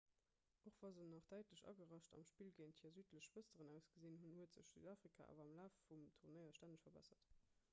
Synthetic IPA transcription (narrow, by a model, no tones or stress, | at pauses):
ʔoχv̥ɑzənːɑχd̥æɪtləɕɑ̰ɡəʁɑʃtɑ̰mʃpiːlɡeɪnthiːɐzyːtʰləʃv̥əstəʁənæʊsɡ̥əziːnɦunhuətz̥əʃz̥y̰ːdaːfʁikʰa̰ʔa̰ːvɐɑmlaːfːumtʰuʁnəɪɐʃtændəʃfɐbæ̰sɐt